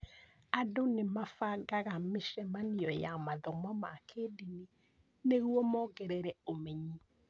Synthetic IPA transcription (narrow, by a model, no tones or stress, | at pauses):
adonemafaɡaɣameʃɛmaniɔjamaðɔmɔmakʰedine | neɣwɔmɔɡɛɾɛɾɛomɛɲi